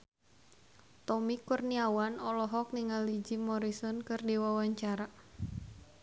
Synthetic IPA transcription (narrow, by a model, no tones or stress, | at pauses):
t̪ɔmikurniawanɔlɔɦɔk̚niŋalid͡ʒimɔɾisɔnkɨrdiwawaɲt͡ʃaɾa